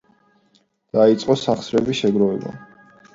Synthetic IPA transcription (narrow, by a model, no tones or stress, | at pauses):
d̪̥ait̪sʼqʼɔsaχsɾɛbiʃɛɡɾɔvɛba̰